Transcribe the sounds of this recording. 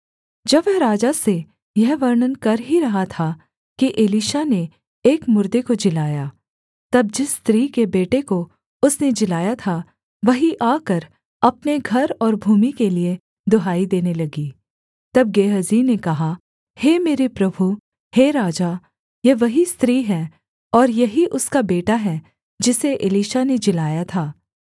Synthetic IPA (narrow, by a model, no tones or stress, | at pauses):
d͡ʒɐbɛɾaːd͡ʒase | jɛɦʋɐɾɳənkɐɾɦiɾɐɦat̪ʰa | kiʔeliːʃane | eːkmʊɾd̪ekod͡ʒɪlaːjaː | t̪ɐb̚d͡ʒɪst̪ɾiːkebeːʈeko | ʊsned͡ʒɪlaːjat̪ʰa | ʋɐɦiʔaːkɐɾ | ɐpneɡʱɐɾɔːɾbʱuːmikelie | d̪ʊɦaːid̪eːnelɐɡiː | t̪ɐb̚ɡeːɦɐziːnekɐɦa | heːmeːɾepɾɐbʱu | heːɾaːd͡ʒa | jeʋɐɦist̪ɾiːɦɛ | ɔːɾjɐɦiʔʊskabeːʈaɦɛ | d͡ʒɪseʔɪliːʃaned͡ʒɪlaːjat̪ʰaː